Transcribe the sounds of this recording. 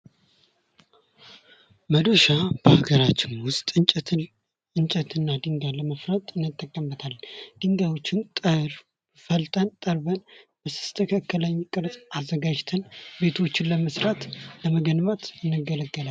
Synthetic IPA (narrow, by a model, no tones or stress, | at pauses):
məd̪oʃab̥əhaɡəɾat͡ʃːɪnwʊst̪ʼɨ | ɨnt͡ʃʼət̪ʰɨnːad̪ɨŋɡaləməfɾət̪ʼɨnːɨt̪ʼːəkʼːəmbət̪ʰald̪̥ɨŋɡawot͡ʃːɪnt̪ʼəɾ | fəlt̪ʼənt̪ʼəɾbənb̥əsɨ̥st̪ʰəkʰəkːələɲːkʼɨɾzʼazːəɡad͡ʒt̪ʰənbe̞t̪ʰo̞t͡ʃːɪnləməsɾat̪ləməɡənmat̪ɪnːɨɡələɡːəla